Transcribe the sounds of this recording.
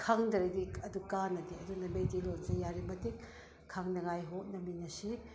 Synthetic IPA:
kʰaŋdɐɾediɐdukanɐdiɐdunɐmejdilonzɐjaɾibɐtik | kʰːaŋnɐɡajɦok̚nɐminɐsi

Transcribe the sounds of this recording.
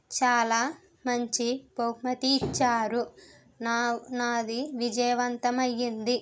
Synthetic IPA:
t͡ʃaːlaː | mɐɲt͡ʃibɐwmɐt̪iːt͡ʃːaːɾu | nanaːd̪iʋid͡ʒɐjɐʋɐnt̪ɐmɐjːind̪i

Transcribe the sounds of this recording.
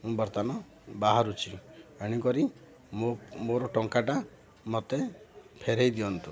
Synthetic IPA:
mũbɔɾt̪anɔ | baɦaɾut͡ʃʰieɽ̃ikɔɾi | momoɾɔʈɔŋkaʈa | mɔt̪epʰeɾejd̪iɔnt̪u

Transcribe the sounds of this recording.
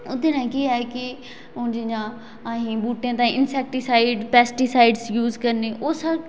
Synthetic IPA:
ʊd̪enãkiaɛkɪ | ʊ̃d͡ʒɪã | aːɦĩːbuːʈjãːt̪ãːɪnsɛːk̚ʈisaːɪɖpɛːsʈisaːɪɖsjuːzkəɾneːʔʊsə

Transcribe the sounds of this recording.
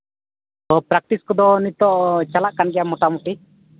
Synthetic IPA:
t̪ɔpɾak̚ʈ̪iskɔd̪ɔnit̪ɔʔt͡ʃalaʔkanɡɛjamɔʈamuʈi

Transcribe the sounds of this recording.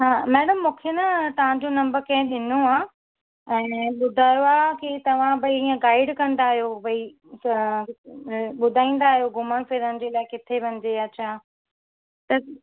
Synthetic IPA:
ɦaːmɛːɽəmːũːkʰenɐt̪ɐʋ̤ãɲd͡ʑonɐ̃mbəɾkɐ̃ɦɪ̃ɗɪnoaː | ɛ̃ːɓʊd̪ʱaːjoaːkit̪ɐʋ̤ãbɐiiːə̃ɡaːɪɖkɐ̃nd̪aːɦijobɐi | ɓʊd̪ʱaːĩːn̆d̪aːɦijoɡʱʊməɽ̃fɪɾənɪ̆d͡ʑeːlaːɪkɪt̪ʰeʋɐ̃ɲ̆d͡ʑeɐtːt͡ɕʰa | t̪ɐ

